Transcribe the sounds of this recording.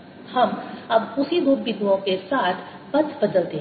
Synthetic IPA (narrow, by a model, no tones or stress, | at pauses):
hɐmɐbʊsid̪ʱʊbːid̪wõkesaːt̪ʰ | pɐtbɐd̪əlt̪eɦ